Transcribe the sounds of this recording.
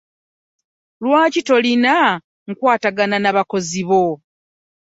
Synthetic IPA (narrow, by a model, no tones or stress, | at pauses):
lwaːcito̞lina | ŋ̩kwaːtaɡananaβako̞ziβo